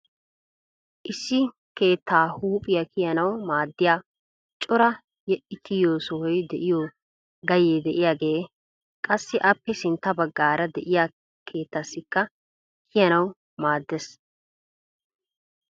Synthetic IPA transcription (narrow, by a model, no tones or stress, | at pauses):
ʔɪsːɪ | ke̞ːt̪ʰːaːhuːpʼɪjɐkʰɪjɐnɐwmaːd̪ːɪjaː | t͡ʃʼɔɾɐ | jɛʔɪt̪ʰːɪjoːsɔhɔjd̪ɛʔɪjoː | ɡɐjeːd̪ɛʔɪjaːɡe̞ː | kʼɐsːɪʔɐpːɛsɪnt̪ːɐbɐɡːaːɾɐd̪ɛʔɪjaː | kʰe̞ːt̪ːɐsːɪkːɐ | kʰɪjɐnɐw | maːd̪ːes